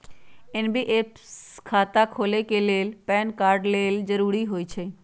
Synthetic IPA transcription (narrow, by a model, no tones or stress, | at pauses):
ɪnbʱiʔeːp | skʰaːt̪akʰoːlekeleːlpɛːnkaːɾɖleːld͡ʒəɾuːɾiɦoːit͡ʃʰe